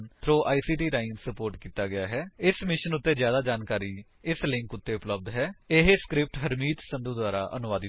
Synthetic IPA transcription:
nt̪ʰɾoːʔaːiːsiːʈiːɾaːɪnsəpoːɾʈkiːt̪aːɡɪjaːɦɛːɪsmɪʃənʊt̪ːeːd͡ʒjaːd̪aːd͡ʒaːnkaːɾiː | ɪslɪ̃ŋkʊt̪ːeːʊpləb̚d̪ɦɛːɪɦeskɾɪp̚ʈɦəɾmiːt̪sə̃nd̪uːd̪ʊaːɾa̰ːʔə̰nʊʋaːd̪

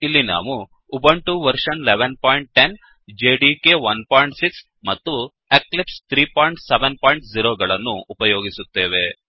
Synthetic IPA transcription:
ilːina̰ːʋuː | bɐɳʈuʋɐɾʂɐnleʋenpaːjɳʈ̚ʈen | d͡ʒeːɖikeːʋɐnpaːjɳʈsiks | mɐt̪ːu | eklipst̪ʰɾiːpaːjɳʈseʋenpaːjɳʈziɾoːɡɐɭɐnːuːpɐjoːɡisut̪ːeːʋe

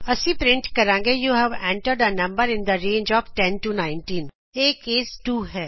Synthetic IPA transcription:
ɐsipɾɪ̃ɳʈkɐɾãːŋɡejuɦɛʋɛ̃ːɳʈəɾɖənɐ̃mbəɾɪ̃nd̪əɾẽːnd͡ʒɔːfʈɛ̃nʈunãːɪ̃nʈĩːn | eːkeːsʈuːɦɛː

